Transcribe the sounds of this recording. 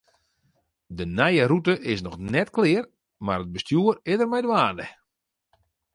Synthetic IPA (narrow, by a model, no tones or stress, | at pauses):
dənɛjəɾutəʔɪsnɔxnɛtklɪər | marəd̚bəstjuərɪdərmɛjdwaːndə